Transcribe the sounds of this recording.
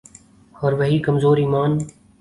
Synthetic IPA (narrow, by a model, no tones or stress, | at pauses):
hɔɾʋəɦiːkəmzoːɾiːmaːn